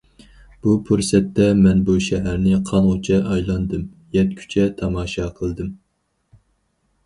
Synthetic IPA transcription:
b̥upʰuɾsɛt̪ːɛmɛnbuʃɛɦæɾnɪqʰɑnʁot͡ʃʰɛʔɑjlˠɑnd̪ɨm | jɛt̪̚kʲʰy̥t͡ʃʰɛt̪ʰɑmɑːʃɑqʰəlˠd̪ɨm

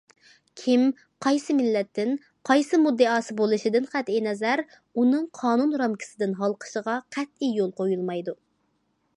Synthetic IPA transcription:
kʲʰim | qʰɑjsɨmɪlːɛt̪ːɪn | qʰɑjsɨmud̪ːɨɑːsɨbolˠɨʃɪd̪ɪnχæt̪inɛzæɾ | unɨŋqʰɑːnunɾɑmkʲʰɪ̥sɪd̪ɪnɦɑlˠqʰə̥ʃəʁɑqʰæt̪̚ijolˠqojulˠmɑjd̪u

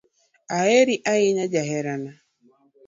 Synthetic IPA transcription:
aeɾiʔaɣɪɲad͡ʒaɦɛɾana

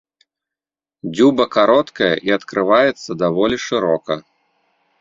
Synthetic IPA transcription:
d͡zʲubɐkaɾɔt̪kɐjɐ̰ʔiɐt̪kɾɨvajɛt̪sːɐd̪avɔlʲiʂɨɾɔkɐ̰

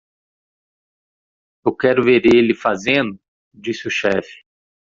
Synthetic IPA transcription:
ewkɛɾʊveɾelɪfazẽnd̪ʊ | d͡ʒisɪʊʃɛfɪ̥

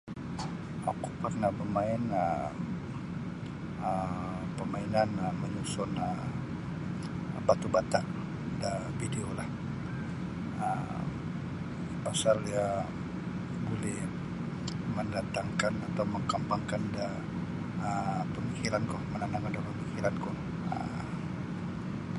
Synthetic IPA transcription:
a̰kukarnapəmaɪnə | ə | pəmainanəməɲusʊnə | bat̪ubat̪aʔ | da | bideolah | ə̰m | pasalja | bolɛh | məndat̪aŋkanat̪awməŋkambaŋkanda | əpəmikiɾankʊhmənanaŋadapəmikiɾankʊh | ə̰

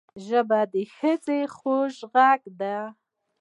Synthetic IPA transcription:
ʒəbad̪əxəzexoʃɣaɡd̪a

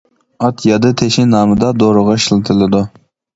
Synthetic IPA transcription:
ɑt̪ʰjɑd̪ɨt̪ʰeʃɪnɑːmɨd̪ɑd̪oɾʊʁɑʃɪlˠɨt̪ʰɨlˠɨd̪u

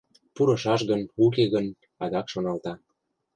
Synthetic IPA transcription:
puɾɤ̆ʃɑʃɣənuk̬eɣən | ɑd̪ɑkʃonɑlt̪ɑ

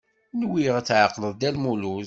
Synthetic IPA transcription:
nwiʁæt͡sːʕɑqːləðˤd̪ælmuluz

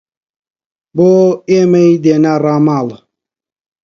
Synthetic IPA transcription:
boːemejd̪enaraːmaːl

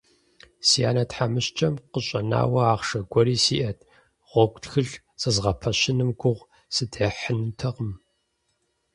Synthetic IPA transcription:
siaːnɐtħamɨɕt͡ʃʼɐmqəɕʼɐna̰ːwɐaːʁʂɐɡʷɔɾiːsiːʔɐtʰ | ʁ̥ʷɔkʷtxɨɮ | sɨzʁɐpʰɐɕɪnɨmɡʷʊʁʷ | sɨdeħənɨtʰɐʁəm

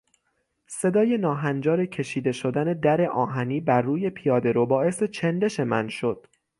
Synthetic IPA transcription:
se̞d̪ɒːje̞nɒːɦænd͡ʒɒːɾe̞cʰe̞ʃiːd̪e̞ʃo̞d̪æne̞d̪æɾe̞ʔɒːɦæniːbæɾːuːje̞pʰijɒːd̪e̞ɾobɒːʔe̞se̞t͡ʃʰend̪e̞ʃe̞mæ̰nʃo̞d̪̥̚

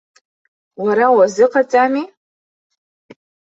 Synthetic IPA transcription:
waɾawazɨqʰʼat͡sʼami

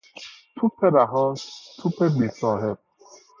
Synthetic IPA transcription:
tʰupʰɛɾaɦɔstʰupʰemisɔɦɛp̚

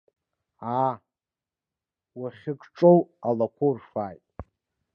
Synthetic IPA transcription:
a | waχʲɪkʼʈ͡ʂʼowalakʷʰorʂaːjtʼ

